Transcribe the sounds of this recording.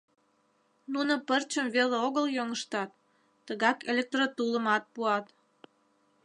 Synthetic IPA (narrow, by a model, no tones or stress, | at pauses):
nunopərt͡ɕəmveleoɣəljoŋəʃt̪ɑt̪ː | əɣɑkelʲek̚t̪rot̪uləmɑt̪̚puɑt̪